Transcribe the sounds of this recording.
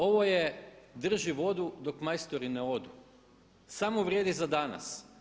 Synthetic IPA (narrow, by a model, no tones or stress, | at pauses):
o̞ʋo̞jed̪r̩ʒiʋo̞d̪ud̪o̞kmajst̪oɾineo̞d̪u | samoʋɾʲjed̪izad̪ana̰s